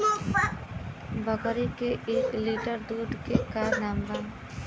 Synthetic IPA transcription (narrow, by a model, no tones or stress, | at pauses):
bʱəɡəɾikeʔeːkliʈəɾd̪uːɖ̪kekaːɾnaːmban